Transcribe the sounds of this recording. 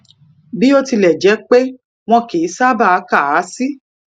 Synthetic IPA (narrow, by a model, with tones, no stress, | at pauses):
bi˦o˧ti˧lɛ˨d͡ʒɛ˨˦k͡pe˦ | w̃ɔ̃˧ke˨i˦sa˦ba˦˨˦ka˦˨a˨˦si˦